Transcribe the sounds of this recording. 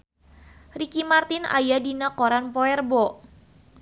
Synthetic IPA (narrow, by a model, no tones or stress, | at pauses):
rikimart̪ɪna̰jadinakoɾanpɔɛrbɔ